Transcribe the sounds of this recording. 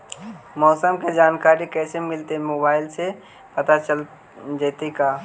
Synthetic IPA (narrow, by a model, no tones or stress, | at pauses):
mɔːsəmked͡ʒaːnkaːɾikɛːsemɪlt̪emoːbaːɪlse | pɐt̪at͡ʃəl | d͡ʒeːt̪ikaː